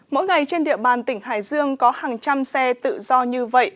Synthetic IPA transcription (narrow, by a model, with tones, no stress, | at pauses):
mo̰˧˥jŋa˨˩jt͡ɕe˧nɗḭ˧˨əɓaː˨˩nt̪ï˧˩ŋ̟ha̰ː˧˨˩jzɨ˧əŋkɔ˨˦haː˨˩ŋt͡ɕa˧msɛ˧t̪ɨ̰˧˨zɔ˧ɲɨ˧və̰˧˨jʔ